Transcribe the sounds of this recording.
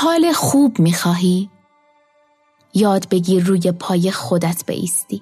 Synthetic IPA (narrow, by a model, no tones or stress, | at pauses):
hɒːlexuːbmiːxɒːɦiː | jɒːd̪be̞ɡiːruːjepʰɒːje̞xo̞d̪æt̪ʰbḛʔḭːst̪iː